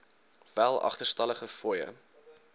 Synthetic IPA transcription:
vælˠɐ̰χtərstɐləχəfɔjə̰

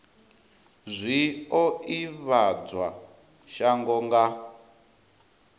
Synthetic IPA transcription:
zʷiɔiβad͡zwa | ʃaŋɡɔŋɡa

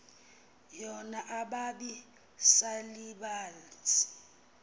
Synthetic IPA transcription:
jɔnaʔaɓaɓi | saliɓaːlt͡si̥

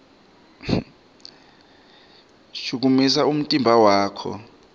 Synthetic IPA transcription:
ʃuk̬umis̬aum̩tʼimbʱawaːkʰɔ̰

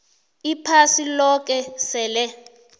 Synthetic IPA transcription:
ipʰasilɔk̬ʼɛsɛːlɛ

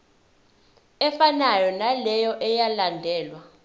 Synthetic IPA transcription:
ɛfanajɔnalɛjɔʔɛjalandʱɛːlwa

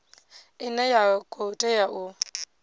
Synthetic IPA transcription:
ɪnɛjakʼotʼɛjaʔʊ

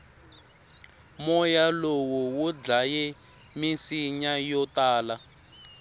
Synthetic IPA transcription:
mɔjalowuwud͡ɮajɛ | misiɲajɔtaːla

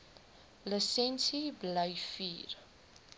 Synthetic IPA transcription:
ləsɛnsibləjfiːr

